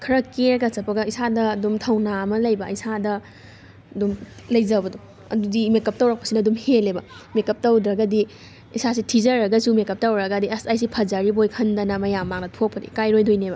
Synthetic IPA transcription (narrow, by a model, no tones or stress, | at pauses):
kʰɐɾɐkeɾɡɐsɐpʰɐɡɐisadɐːdumtʰɐwnamɐlɐjbɐisadɐ | ɐdum | lɐjzɐbɐdu | ɐ̰dudimekɐp̚tɐwɾɐk̚pɐ̥sinɐːdumhelebɐmekɐp̚tɐwdɾɐɡɐdi | isas̬itʰizɐɾɐɡɐsumekɐp̚tɐwɾɐɡɐdiɐsajs̬ipʰɐzaɾibojkʰɐndɐnɐmɐjamːaŋnɐtʰok̚pʰɐdḭkajɾojdʱojnebɐ